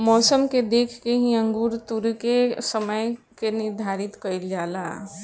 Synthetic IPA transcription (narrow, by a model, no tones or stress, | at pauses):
mɔːsəmked̪ekʰkeɦĩəŋɡuɾt̪uɾkesəməj | keniɾd̪ʱaɾit̪kəjld͡ʒala̰